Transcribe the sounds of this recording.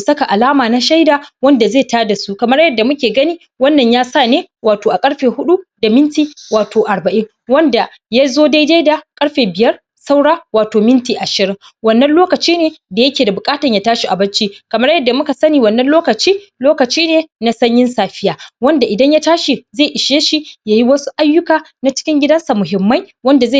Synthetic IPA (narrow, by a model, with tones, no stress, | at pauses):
u˨sɐ˦ka˨ʔa˨laː˦maː˨na˦ʃa˦jdaː˨wɐ˦nda˨zeː˦˨taː˦da˨su˦kɐ˨mɐ˦rjɐ˨dːa˨mʊ˦kʲeː˨ɡɐ˦niː˦ | wɐ˦nːɐ˨ɲjaː˦saː˦˨neː˦waː˨toː˨ʔa˨kʼɐ˦ɽɸeː˨hʊ˦ɗu˦da˨mɪ˦ntiː˨waː˨tʰoː˨ʔa˨ɽbɐ˨ʔɪ˦ŋ | wɐ˦nda˨ | ja˦zoː˦da˦jda˦jda˨kʼɐ˦ɽɸeː˨bɪ˨jɐ˦r | sa˦wɽaː˦waː˨toː˨mɪ˦ntiː˨ʔa˨ʃɪ˨ɾɪ˦ŋ | wɐ˦nːɐ˦nloː˦kɐ˨t͡ʃiː˦neː˨da˨jɐ˦kʲeː˨da˨bʊ˨kʼaː˦tɐ˨ɲjaː˨taː˦ʃi˨ʔa˨bɐ˦t͡ʃiː˦kɐ˨mɐ˦rjɐ˦dːa˨mʊ˦ka˨sɐ˦niː˨wɐ˨nːɐ˦nloː˦kɐ˨t͡ʃiː˦loː˦kɐ˨t͡ʃiː˦neː˨na˦sɐ˦ɲjɪ˦nsaː˨ɸɪ˦jaː˦wɐ˦nda˨ʔɪ˨dɐ˦ɲja˦taː˦ʃi˨zeː˦˨ʔɪ˨ʃeː˦ʃi˨jaː˦˨ji˦wɐ˦su̥˦ʔa˦jːʊ˦kaː˨na˦t͡ʃɪ̥˦kʲɪ˦ŋɡʲɪ˦dɐ˦nsa˨mʊ˨ɦɪ˨mːa˦jwɐ˦nda˨zeː˦˨